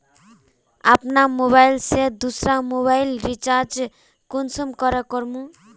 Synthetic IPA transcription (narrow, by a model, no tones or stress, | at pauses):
a̰pnamoβajlsed̪usɾamoβajlɾit͡ʃaɾd͡ʒ | kunsumkɔɾekɔɾmu